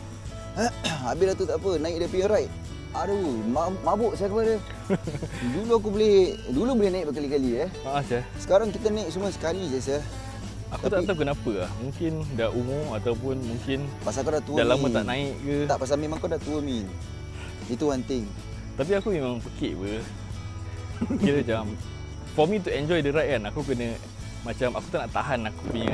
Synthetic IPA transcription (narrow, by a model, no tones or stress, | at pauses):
abɪlat̪ut̪aʔpənaɪʔ̚dapiəɾaiʔ | adoumaʔmabʊʔsakəpadə | duluak̬ubolɪhdulubolɪhnaɪʔbəkalikaliəhaʔasasə̥kaɾaŋkit̪anãɪk̚suməsə̥kalisəsəh | ak̪t̪aʔ̪akənapəahmũŋkɪndaʔʔumʊmat̪awp̬ʊnmuŋkɪnpasakadat̪udalamət̪a̰ʔnãɪʔkət̪aʔpas̬amemaŋkadaht̪uəmi | it̪uhant̪ɪŋ | t̪ap̬iakumemaŋpəkiʔbə | kiləd͡ʒam | fɔmit̪̬uɛnd͡ʒɔjdəɾaʔkanakuk̬ənə̃ | mat͡ʃamakut̪aʔnaʔt̪aɦanakupiɲa